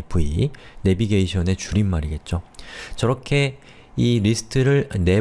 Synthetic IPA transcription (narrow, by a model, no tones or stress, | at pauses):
pʰuine̞biɡe̞iɕʰʌne̞t͡ɕuɾinmaɾiɡe̞t̚t͡ɕ͈ot͡ɕʌɾʌkʰe̞ | iɾisʰɯ̥tʰɯɾɯɭne̞